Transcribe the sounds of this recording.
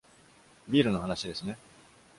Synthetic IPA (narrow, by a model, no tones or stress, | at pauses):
bʲiːɾɯ̟no̞hanaɕid̪e̞sɨne̞